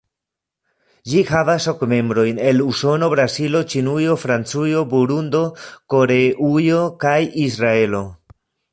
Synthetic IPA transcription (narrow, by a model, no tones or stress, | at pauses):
d͡ʒihavasokme̞mbɾo̞jne̞luso̞no̞bɾasilo̞t͡ʃinujo̞fɾant͡sujo̞buɾund̪o̞ko̞ɾeʔujo̞kajis̬ɾae̞lo̞